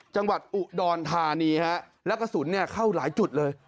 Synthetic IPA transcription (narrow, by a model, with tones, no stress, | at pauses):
t͡ɕa˧ŋwa˨˩t̪̚ʔu˨˩ʔdɔː˧nt̪ʰaː˧niː˧ha˦˥ʔ | lɛ˦˥wka˧˩su˨˩˦nːi˥˩ɐkʰa˥˩wlaː˩˦jt͡ɕu˨˩t̪̚lɤː˧j